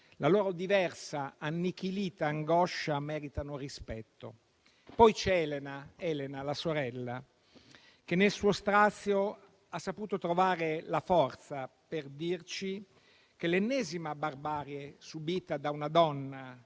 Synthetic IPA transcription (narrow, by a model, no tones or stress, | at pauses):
laloːɾod̪ivɛrsaanːik̟iliːt̪aːŋɡɔʃːamɛːɾit̪anorispɛt̪ːo̰ | pɔjt͡ʃɛɛlenaɛːlenalasoɾɛlːa | k̟enːelsuːost̪ɾat̪sːjo | asːapuːt̪ot̪ɾovaːɾelafɔrt̪saperd̪irt͡ʃi | kelenːɛːzimabarbaːɾjesubiːt̪ad̪aunad̪ɔnːa